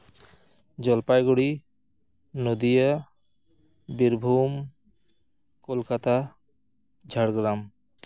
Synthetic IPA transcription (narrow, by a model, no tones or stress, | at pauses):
d͡ʑɔlpajɡuɽi | nod̪ija | biɾbʱum | kolkat̪a | d͡ʑʱaɽɡɾam